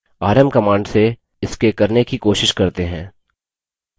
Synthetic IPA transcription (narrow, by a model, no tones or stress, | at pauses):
aːɾəmkɐmãːɳɖse | ɪskekɐɾnekikoːʃɪʃkɐɾt̪eɦɛ̃ː